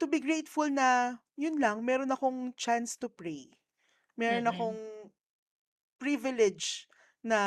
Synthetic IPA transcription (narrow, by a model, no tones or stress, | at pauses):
t̪ʊbiɡɹejt̪fʊlnɐ | jʊnlɐŋmɛːɾonɐko̞ŋt͡ʃanst̪ʊpɹej | mɛːɾonɐko̞ŋ | pɾivɪlɛd͡ʒ | nɐ